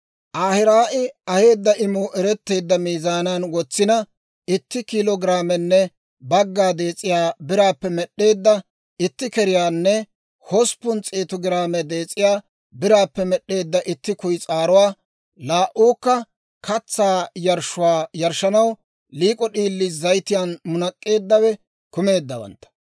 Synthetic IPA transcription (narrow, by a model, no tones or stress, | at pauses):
ʔaːhɪɾaːʔɪɐhe̞ːd̪ːɐʔɪmʊʔɛɾɛt̪ːe̞ːd̪ːɐmiːzaːnanwɔt͡sːɪnɐ | ɪt̪ːɪkɪlɔɡɪɾaːmɛnːɛ | bɐɡːaːd̪e̞ːt͡sʼːɪjaːbɪɾaːpːɛmɛɗːe̞ːd̪ːɐ | ɪt̪ːɪkɛɾɪjaːnːɛ | hɔspʊnt͡sʼeːt̪ɔɡɪɾaːmɛd̪e̞ːt͡sʼːɪjaː | bɪɾaːpːɛmɛɗːe̞ːd̪ːɐʔɪt̪ːɪkʊjt͡sʼaːɾʊwaː | laːʔuːkːɐ | kɐt͡sːaːjɐɾʃʊwaːjɐɾʃɐnɐw | liːkʼɔɗiːlːɪzɐjt̪ɪjaːnmʊnɐkʼːe̞ːd̪ːɐwɛ | kʊme̞ːd̪ːɐwɐ̰nt̪ːɐ̥